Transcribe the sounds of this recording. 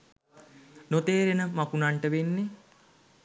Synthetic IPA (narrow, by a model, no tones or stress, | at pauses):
not̪eːɾenəmakunaɳʈəʋenːe